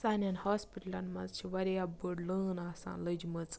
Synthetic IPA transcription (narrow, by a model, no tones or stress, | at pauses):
saːnʲanhoːspiʈlɐnmɐ̰zt͡ʃʰiʋɐɾʲjabəɽlɨnaːsa̰ːnlɨd͡ʒmɨt͡s